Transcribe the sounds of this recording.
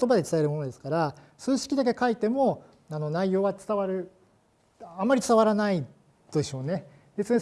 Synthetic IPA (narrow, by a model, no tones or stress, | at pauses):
ot̪o̞bad̪e̞t͡sɨ̥t̪aeɾɯ̟mo̞no̞d̪e̞sɨ̥kaɾa | sɨːɕi̥kʲid̪ak̬e̞kait̪e̞mo̞ | ano̞naijo̞ːβat͡sɨ̥t̪aβaɾɯ̟ | ãmːaɾʲit͡sɨ̥t̪aβaɾanai | t̪od̪eɕo̞ːne̞ | be̞t͡sɨne